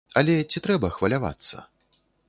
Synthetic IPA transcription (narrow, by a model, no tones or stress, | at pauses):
ɐlʲɛt͡sʲit̪ɾɛbɐxvɐlʲava̰t̪sːɐ̰